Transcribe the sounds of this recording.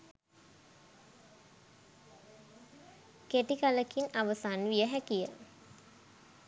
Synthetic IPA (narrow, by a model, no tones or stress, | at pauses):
keʈikaləkinaʋəsaːnʋijəɦækijə